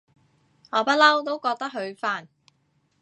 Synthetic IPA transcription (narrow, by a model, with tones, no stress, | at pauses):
ŋɔː˨˧pɐ˥lɐ˥wt̪o˥wkɔː˧k̚t̪ɐ˥k̚ɦɵ˨˧ɥfaː˥n